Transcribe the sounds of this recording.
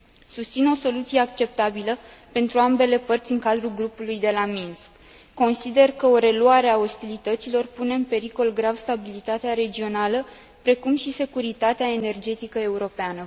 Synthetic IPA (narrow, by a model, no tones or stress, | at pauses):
sust̪sino̞so̞lut̪sijeakt͡ʃe̞p̚t̪abiləpe̞nt̪ɾuambe̞le̞pərt̪sʲɨŋkad̪ɾulɡɾupulujd̪e̞laminskː | o̞nsid̪e̞rkəo̞ɾe̞luaɾe̞ao̞st̪ilit̪ət̪silo̞rpune̞ɨmpe̞ɾiko̞lɡɾavst̪abilit̪at̪eaɾe̞d͡ʒio̞nalə | pɾe̞kumʃise̞kuɾit̪at̪eaene̞rd͡ʒe̞t̪ikəe̞uɾo̞peanə